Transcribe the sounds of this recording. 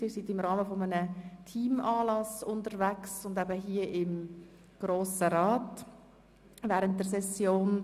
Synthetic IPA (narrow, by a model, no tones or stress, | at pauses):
ɪːɾsitɪmɾɑːməfomənətʰiːmɑːlɑsʊntəɾvæksʊndæbəɦiːəʔɪm | ɡ̥ɾoːsəɾɑːt | vɛːɾənt̚dəɾsɛsjoːn